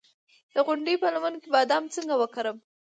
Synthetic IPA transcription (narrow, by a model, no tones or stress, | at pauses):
d̪̥əɣʊɳɖipəlamankebad̪aamt͡səŋɡawəkaɾəm